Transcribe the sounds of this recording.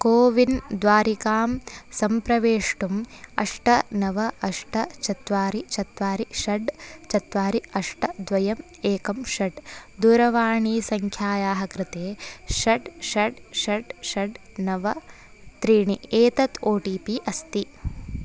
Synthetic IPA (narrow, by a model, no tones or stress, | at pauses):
koːʋind̪ʋaːɾikaːmsɐmpɾɐʋeːʂʈumɐ̰ʂʈɐnɐʋɐɐʂʈɐt͡ʃɐt̪ʋaːɾit͡ʃɐt̪ʋaːɾiʃɐɖt͡ʃɐt̪ʋaːɾiɐʂʈɐd̪ʋɐjɐm | eːkɐmʃɐɖd̪uɾɐʋaːɳiːsɐŋkʰjaːjaːɦɐkɾɪt̪eːʃɐɖʃɐɖʃɐɖʃɐɖnɐʋɐ | t̪ɾiːɳieːt̪ɐt̪ʰoːʈiːpiʔɐst̪i